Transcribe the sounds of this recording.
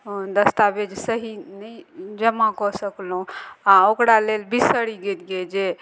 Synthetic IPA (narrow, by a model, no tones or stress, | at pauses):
d̪əst̪abed͡ʒsəɦinəjd͡ʒəmakɔsəklũaokɾalelbisəɽiɡet̪ɡed͡ʒe